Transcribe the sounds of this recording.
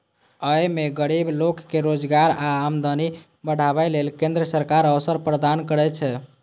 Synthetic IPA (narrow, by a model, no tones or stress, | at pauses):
əjmeɡəɾiblokːeɾod͡ʒɡaɾaːmd̪əni | bəɽ̤ʱaβajlelkend̪ɾəsəɾkaɾəʋsəɾpɾəd̪ankəɾɛt͡ʃʰɛ